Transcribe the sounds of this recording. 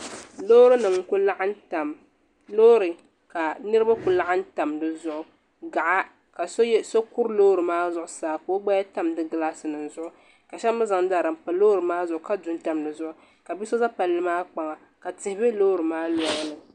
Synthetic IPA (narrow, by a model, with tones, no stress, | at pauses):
loː˦ɾɨ˦nɨ˨ŋ˦ku˦la˦ʔn˦ta˨m | lo˦ɾɨ˨ | ka˨nɨ˦ɾɨ˦ba˦ku˨la˦ʔa˦n̩˦ta˨mdɨ˨zʊ˦˨ʔʊ˦ | ɡa˨ʔa˦ | ka˨so˦jso˦ku˦ɾloː˦ɾɨ˨maː˦zʊ˦ʔʊ˦saː˨ko˦ɡ͡ba˦ja˦ta˦mdɨ˦ɡɨ˦la˦sɨ˨nɨ˨n˨zʊ˦ʔʊ˦ | ka˨ʃɛ˦mɨ˦za˨ŋ˦da˨ɾɨ˨m̩˨pa˨lo˦ɾɨ˨maː˦zʊ˨ʔʊ˨ka˦du˨n˦ta˨mdɨ˨zʊ˦ʔʊ˦ | ka˨bi˦so˦za˦pa˨lːɨ˦maː˦k͡pa˨ŋa˨ | ka˨tɪ˨hɪ˦be˦loː˦ɾɨ˨maː˦lɔ˨˦ŋ˦nɨ˨